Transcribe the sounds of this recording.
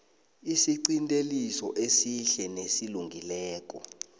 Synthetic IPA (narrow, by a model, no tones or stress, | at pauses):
isiǀintʼelisɔ̰ʔesiɬɛnesiluŋɡʱilɛːk̬ʼɔ